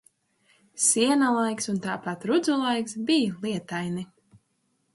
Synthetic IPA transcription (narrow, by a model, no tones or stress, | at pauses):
siɛnalˠajksunt̪aːpat̪ɾud̪zulˠajksbijlˠiɛt̪ajni